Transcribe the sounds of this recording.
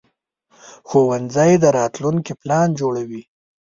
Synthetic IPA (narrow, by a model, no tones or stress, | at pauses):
xowand͡zajd̪əɾɑt̪luŋkiplɑnd͡ʒoɽawi